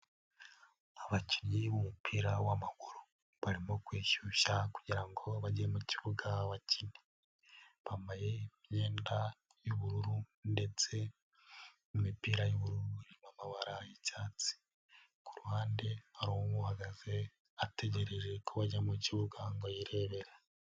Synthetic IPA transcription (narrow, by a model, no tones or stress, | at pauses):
aβaciniβumupʰiːɾawamakuɾu | βaɾimo̞kwiːʃuʃaku̥ɟiɾaŋɡo̞βaɟiɾemuciβuɡaβacʰini̥ | βamajemje̞ːnda | juβuɾuɾunde̞t͡se̞ | mumipiːɾajoβuɾuɾuimamaβaɾajicaːt͡si̥ | kuɾuhaːnde̞haɾowoβuhaɡaze̞ | ate̞ɟe̞ɾeɾe̞kʰoβaɟamuciβuɡaŋɡojiɾe̞ːβe̞ɾa